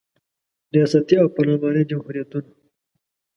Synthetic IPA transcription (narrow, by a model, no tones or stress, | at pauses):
ɾijɑsat̪iawpalabɑɾid͡ʒamhuɾijat̪una